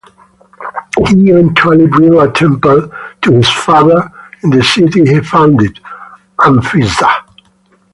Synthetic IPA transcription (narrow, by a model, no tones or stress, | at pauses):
hiɛ̃ntʰəlˠiɹilətʰɛ̃mpəltʰɨhɪz̥fɑðə˞ɪ̃nðɨsɪɾihifãʊ̃ndɪd | ãɱfiza